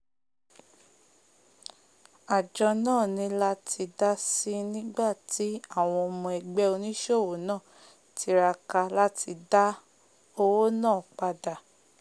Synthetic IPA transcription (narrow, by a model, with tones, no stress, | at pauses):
a˨d͡ʒɔ˧nãː˦˨nĩ˧la˦tʰi˧da˦si˦nĩ˦ɡ͡ba˦˨ti˨˦a˦˨w̃ɔ̃˧o˧mɔ̃˧ɛ˧ɡ͡bɛ˦o˧nĩ˦ʃo˦˨wo˨˦nãː˦˨ | tʰi˧˦ɾa˧ka˧la˦ti˧da˦ | o˧wo˦nãː˦˨k͡pa˧da˨